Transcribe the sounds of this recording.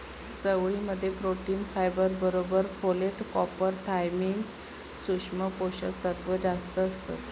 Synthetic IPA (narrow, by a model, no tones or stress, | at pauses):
t͡səʋɭiməd̪ʱːjepɾoʈiːnfajbəɾbəɾobəɾpoleʈkɔpəɾt̪ʰajmiːn | suʂməpoɕə̰kt̪ət̪ʋəd͡zast̪əːst̪ə̰t̪